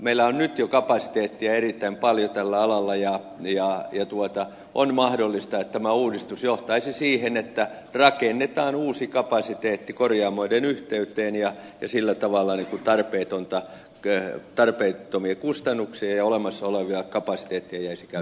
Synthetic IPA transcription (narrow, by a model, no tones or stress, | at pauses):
meilːˑæonnyt̪jokɑpɑsi̥t̪eːt̪ːiæerit̪ːæimpɑljot̪ælːæɑlɑlːɑjɑ | jɑjɑt̪uot̪ɑ | ʔonmɑhdolːist̪ɑet̪t̪æmæuːdist̪usjoht̪ɑisisiːhenet̪ːæ | rɑkenːet̪ɑːnuːsikɑpɑsit̪eːt̪ːikorjɑːmoidenyht̪eyt̪ˑeːnjɑjɑsilːæt̪ɑʋɑlːɑniŋkut̪ɑrpeːt̪ont̪ɑ | t̪ɑrpeit̪ːomiekust̪ɑnːuksiɑjɑolemɑsːɑoleʋiɑkɑpɑsi̥t̪eːt̪ːiæjæisikæ